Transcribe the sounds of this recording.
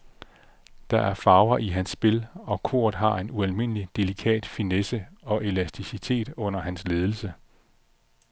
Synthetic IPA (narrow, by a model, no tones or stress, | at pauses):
d̥ɑ̈ʔæɐfɑ̈ʊɐʔiɦænsːb̥e̝lɒ̽kʰo̝̰ɐ̰ð̩ˠɦɑ̈e̝nuælme̝n̰əlid̥e̝likʰɛ̰ːd̥finesəɒ̽ʔe̝læsd̥isit͡sʰe̝̰ːd̥ɔ̽n̰ɐɦænsle̝ːð̞ˠl̩sə